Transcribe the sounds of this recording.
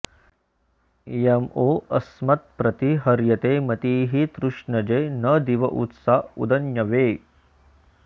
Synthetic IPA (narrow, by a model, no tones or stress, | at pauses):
jemoːʔɐsmɐt̪̚pɾɐt̪iɦɐɾjɐt̪emɐt̪iːɦit̪ɾuʂɳɐd͡ʒenɐd̪iʋɐʔṵt̪saṵd̪ɐnjɐʋeː